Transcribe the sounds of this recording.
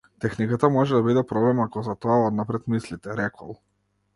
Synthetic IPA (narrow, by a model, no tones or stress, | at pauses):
t̪ɛxnikat̪amɔʒɛd̪abid̪ɛpɾɔblɛmakɔzat̪ɔaɔd̪napɾɛt̪mislit̪ɛɾɛkʰɔ̰lˠ